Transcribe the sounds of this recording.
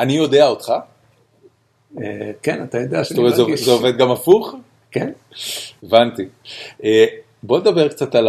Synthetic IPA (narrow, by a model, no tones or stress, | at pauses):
anijo̞deaot̪χa | ekenat̪ajod̪eaʃt̪oʁezevʃzeoved̪̚ɡamafuχ | ken | evant̪iʔe | bo̞ned̪abe̞ʁkt͡sat̪al